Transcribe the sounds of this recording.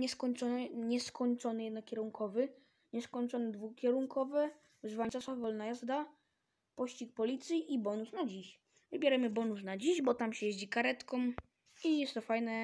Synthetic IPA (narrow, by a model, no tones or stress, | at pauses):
ɲɛskɔɲt͡ʂɔnɛɲɛskɔɲt͡ʂɔnɘjɛd̪nɔkʲɛɾuŋkʰɔvɘ | ɲɛskɔɲt͡ʂɔnɛd̪vukʲjɛɾuŋkɔvɛ | vzvaɲt͡ʃ̪asavɔlnajazd̪a | pɔɕt͡ɕik̚pɔlʲit̪sʲjiʔibɔnusnad͡ʑiɕ | vɘbʲjɛɾamɘbɔnus̬nad͡ʑiʑbɔt̪amɕɛjeʑd͡ʑikaɾɛt̪kɔm | ijɛst̪ɔfajnɛ